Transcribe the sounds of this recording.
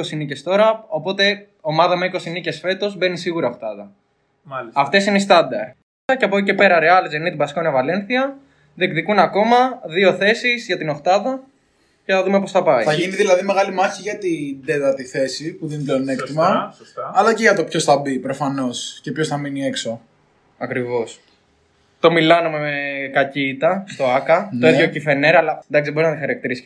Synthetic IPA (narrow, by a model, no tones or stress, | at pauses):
o̞sinice̞st̪o̞ɾɐo̞po̞t̪e̞ | o̞mɐðɐmeiko̞sinice̞sfe̞t̪o̞zbe̞nisiɣuɾɐoxt̪ɐðɐ | ɐft̪e̞sineist̪ɐd̪ɐɾ | ɐceɐpocice̞pe̞ɾɐɾeɐlizenit̪ibɐsi̥konɐvɐle̞nθiɐ | ðekðikunɐko̞mɐðio̞θe̞sizʝɐt̪ino̞xt̪ɐðɐ | ceθɐðumeposθɐpɐiθɐʝiniðilɐðime̞ɣɐlimɐçiʝɐt̪ind̪et̪ɐt̪iθe̞sipuðenit̪leonekt̪imɐː | lɐceʝɐt̪o̞pço̞sθɐbipɾo̞fɐno̞scepçosθɐminiekso̞ | ɐkɾivo̞s | t̪o̞milɐnume̞mekɐciːt̪ɐst̪o̞ɐkɐt̪oiðʝo̞cife̞neɾɐlɐnd̪ɐksiðboɾinɐt̪ixɐɾɐk̚t̪iɾis